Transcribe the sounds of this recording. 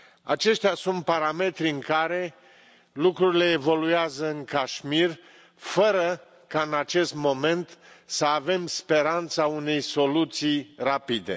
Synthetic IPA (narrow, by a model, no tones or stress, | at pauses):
a̰t͡ʃe̞ʃt̪ʲasunt̪̚paɾame̞t̪ɾiɨŋkaɾe̞ | lukɾuɾile̞ːvo̞lujazəɨŋkaʃmir | fəɾə | kaɨnat͡ʃe̞st̪mo̞me̞nt̪səave̞mspe̞ɾant̪saune̞jso̞lut̪sijrapid̪e̞̰